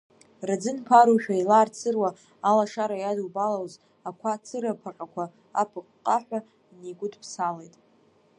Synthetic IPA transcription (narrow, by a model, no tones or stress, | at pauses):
rad͡zɨnpʰaɾuʃᶣailaːrt͡sʰɨrwaː | laʂaɾajadubalawz | akʷʰat͡sʰɨɾapʰaqʲʼakʷʰa | apʰɨqʼqʼːaħʷᶣa | neɡʷʊdpʰsalejtʼ